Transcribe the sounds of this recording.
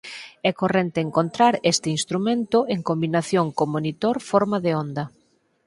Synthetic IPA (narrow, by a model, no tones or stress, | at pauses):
ɛkorent̪eeŋkont̪ɾaɾest̪ɪinst̪ɾumẽnt̪ʊeŋkombinaθjoŋkomonit̪oɾfɔɾmaðeond̪ɐ